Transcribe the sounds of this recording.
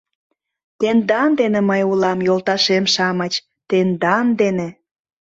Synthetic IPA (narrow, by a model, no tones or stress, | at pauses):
t̪end̪ɑnd̪eneməjulɑmjolt̪ɑʃemʃɑmət͡ɕ | t̪end̪ɑnd̪ene